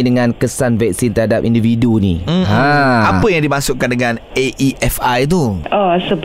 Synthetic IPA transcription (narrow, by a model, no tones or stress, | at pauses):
dəŋãnkəsanvɛk̚sint̪əɾɦhadap̚individuniaapəjaŋdimãsʊʔkːandəŋãneʔiʔɛfajt̪̬uʔɔsəb